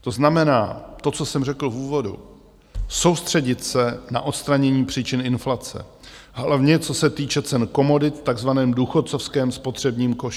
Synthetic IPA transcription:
t̪o̞znamɛnaːt̪o̞t͡sosɛmrɛkl̩vuːvo̞dṵ | so̞wst̪r̝̥ɛɟɪt̪sɛna̰ʔo̞t̪st̪ɾaɲɛɲiːpr̝̥iːt͡ʃɪnɪnflat͡sɛ̰ | ɦlavɲɛt͡so̞sɛt̪iːt͡ʃɛt͡sɛnko̞mo̞dɪt̪t̪aɡzvanɛːmduxo̞t̪t͡so̞fskɛːmspo̞t̪r̝̥ɛbɲiːmko̞ʃ

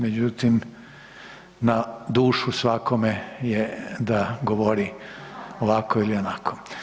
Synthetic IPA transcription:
med͡ʑut̪im | nad̪uːʃusʋakʰomejed̪aɡoʋoɾi | oʋakoilionakʰo̥

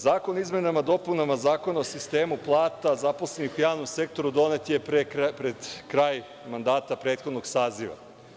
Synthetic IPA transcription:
zaːko̞nizme̞namad̪o̞punamazaːko̞naosist̪e̞ːmuplˠaːt̪azaposlenixujaːʋno̞mse̞k̚t̪o̞ɾud̪o̞ne̞t̪jepɾepɾed̪kɾaːj | mand̪aːt̪apɾeːt̪xo̞d̪no̞ɡsaːziʋa̰

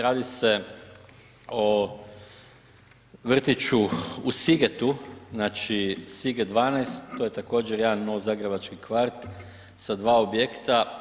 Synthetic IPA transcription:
ɾaːd̪ise | o | ʋr̩t̪it͡ʃuusiɡet̪uznaːt͡ʃisiɡed̪ʋaːnajst̪ːoje̞t̪ako̞ːd͡ʒeɾjed̪anːo̞ʋozaːɡɾebat͡ʃkikʋaɾt̪ | sad̪ʋaːobjekt̪a

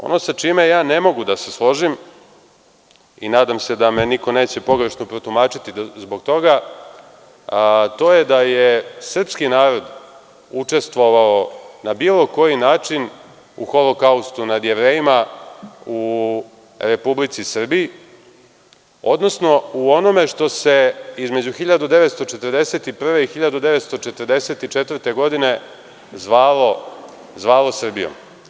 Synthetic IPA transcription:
o̰nosat͡ʂime̞jaːne̞mo̞ɡud̪ase̞slˠo̞ʒim | ḭnaːd̪amse̞d̪ame̞nikone̞ːt͡ɕe̞po̞ɡɾeʃnopɾot̪umaːt͡ʃit̪izbo̞ɡt̪o̞ɡa | t̪o̞jed̪ajesr̩pskinaːɾo̞d̪ | ut͡ʂe̞st̪ʋo̞ʋaonabilˠo̞ko̞jinaːt͡ʂin | ṵxolokaust̪unad̪jeʋɾe̞ːjima | u | ɾe̞publit̪sisr̩biji | o̞̰d̪no̞sno̞uo̞no̞me̞ʂt̪o̞se̞izme̞d͡ʑuxiʎad̪ud̪e̞ʋet̪st̪o̞t͡ʃet̪ərd̪eset̪ipr̩ʋe̞ixiʎad̪ud̪eʋe̞t̪st̪o̞t͡ʃet̪ərd̪e̞se̞t̪it͡ʃet̪vər̩t̪e̞ɡo̞d̪ine̞ | zʋaːlo | zʋaːlosr̩bijo̰m

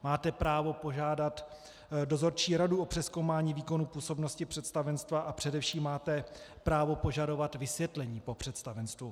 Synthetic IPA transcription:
maːt̪ɛpɾaːvo̞po̞ʒaːdat̪ | do̞zo̞ɾt͡ʃiːɾaduʔo̞pr̥ɛsko̞wmaːɲiːviːko̞nupuːso̞bno̞scɪpr̝̥ɛt̪st̪avɛnst̪vaʔapr̝̥ɛdɛfʃiːmːaːt̪ɛ | pɾaːvo̞po̞ʒado̞vat̪vɪsvjɛt̪lɛɲiːpo̞pr̝̥ɛt̪st̪avɛnst̪vu

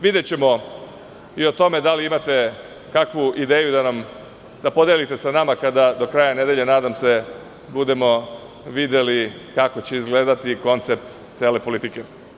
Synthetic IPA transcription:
ʋid̪et͡ɕe̞mo̞ | io̞t̪o̞me̞d̪aliimat̪e̞ | kakʋuid̪e̞ːjud̪anam | d̪apo̞d̪elit̪e̞sanamakad̪ad̪o̞kɾaːjane̞d̪e̞ʎe̞naːd̪amse̞ | bud̪e̞mo̞ | ʋid̪je̞li | kako̞t͡ɕe̞izɡle̞ːd̪at̪iko̞nt̪se̞p̚t̪ | t̪seːle̞po̞lit̪ike̞

